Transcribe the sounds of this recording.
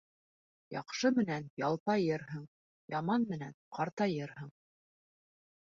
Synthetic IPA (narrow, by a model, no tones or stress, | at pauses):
jɑ̰qʃɤmɘ̆nænjɑlˠp̪ɑjɤɾɦɤɴ | jɑmɑnmɘ̆nænqɑɾt̪ɑjɤɾɦɤɴ